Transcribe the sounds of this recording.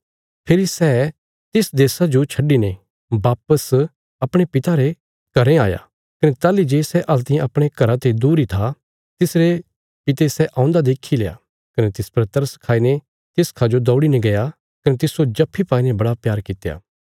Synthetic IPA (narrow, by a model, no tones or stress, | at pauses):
pʰeːɾisɛː | t̪ɪsd̪eːsad͡ʒot͡ʃʰɐɖine | baːpəs | ɐpɽ̃epɪt̪aɾe | kɐɾẽaːja̰ː | kɐnet̪aːlid͡ʒeːsɛʔɐlt̪ɪãɐpɽ̃ekɐɾat̪ed̪uːɾit̪ʰa | t̪ɪsɾe | pɪt̪esɛʔãːʊ̃nd̪ad̪eːkʰːileːa̰ː | kɐnet̪ɪspɾɐt̪əɾskʰaːine | t̪ɪskʰad͡ʒod̪ɔːɽinẽɡɐja | kɐnet̪ɪsod͡ʒɐpʰːipaːinebɐɽapjaːɾkɪt̪eja̰ː